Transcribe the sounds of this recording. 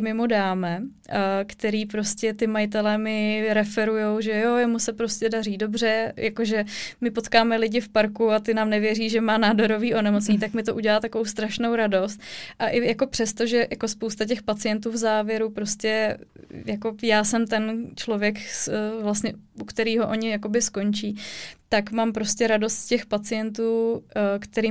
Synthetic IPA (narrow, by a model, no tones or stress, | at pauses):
mɪmudaːmɛ | kt̪ɛɾiːpɾo̞scɛt̪ɪmajɪt̪ɛlɛmɪɾɛfɛɾujo̞wʒɛjojɛmusɛpɾo̞scɛdariːdo̞br̝ɛjʔako̞ʒɛmɪpo̞t̪kaːmɛlɪɟɪfpaɾkuat̪ɪnaːmnɛvjɛriːʒɛmaːnaːdoɾoviːʔonɛmo̞t͡sɲit̪akmɪt̪o̞ʔuɟɛlaːt̪akovowst̪ɾaʃno̞wɾado̞st̪̚ʔaʔɪjako̞pr̝̥ɛst̪o̞ʒɛjako̞spowst̪acɛxpat͡sɪjɛnt̪uːvzaːvjɛɾupɾo̞scɛ | jako̞jaːsɛmt̪ɛnt͡ʃlo̞vjɛkvlast̪ɲɛukt̪ɛɾiːɦo̞ʔo̞ɲɪjako̞bɪsko̞nt͡ʃiːt̪akmampɾo̞scɛɾado̞st̪cɛxpat͡sɪjɛnt̪̬uːkt̪ɛɾiː